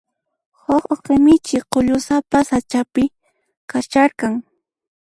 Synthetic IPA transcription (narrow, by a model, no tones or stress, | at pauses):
hoχoqɪmɪt͡ʃɪqoʎʊsapasat͡ʃapɪ | kat͡ʃaɾkaŋ